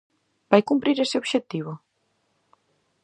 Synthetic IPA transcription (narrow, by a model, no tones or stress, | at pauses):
bajkumpɾiɾesɪoβʃet̪iβ̞ʊ